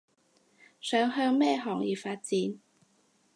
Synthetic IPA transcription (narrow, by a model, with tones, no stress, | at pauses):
sœː˨˥ŋɦœː˧ŋmɛː˥ɦɔː˨˩ŋjiː˨˩faː˧t̚t͡siː˨˥n